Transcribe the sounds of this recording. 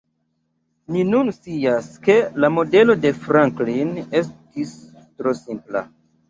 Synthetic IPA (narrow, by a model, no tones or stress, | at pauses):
ninunsiaske̞lamo̞de̞lo̞de̞fɾaŋkline̞s̬tis | tɾo̞simpla̰